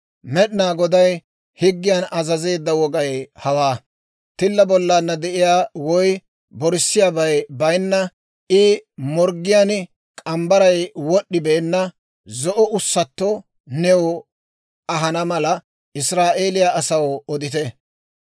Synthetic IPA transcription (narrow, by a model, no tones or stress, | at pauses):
mɛɗnaːɡɔd̪ɐj | hɪɡːɪjanɐzɐze̞ːd̪ːɐwɔɡɐjhɐwaː | t̪ɪlːɐbɔlːaːnːɐd̪ɛʔɪjaːwɔj | bɔɾɪsːɪjaːbɐjbɐjnːɐ | ɪmɔɾɡɪjan | kʼɐmbɐɾɐjwɔɗːɪbeːnːɐ | zɔʔɔʊsːɐt̪ːɔ | nɛwɔ | ɐɦɐnɐmɐlɐ | ɪsɾaːʔeːlɪjaʔːsɐwɔd̪ɪt̪ɛ